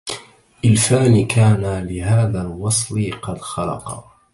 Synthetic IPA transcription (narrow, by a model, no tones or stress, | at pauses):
ʔɪlfaːnkʰaːnalɪɦaːðaːlwɑsˤlɪqɑd̪xɑlɑ̰qɑ